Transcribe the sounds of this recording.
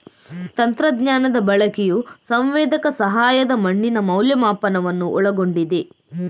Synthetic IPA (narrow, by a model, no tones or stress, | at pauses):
t̪ɐnt̪ɾɐd̪ɲaːnɐd̪ɐbɐɭɐkɛjusɐmʋɛːd̪ɐkɐsɐɦaːjɐd̪ɐmɐɳːinɐmɐwljɐmaːpɐnɐʋɐnːuʔɔɭɐɡo̞ɳɖid̪e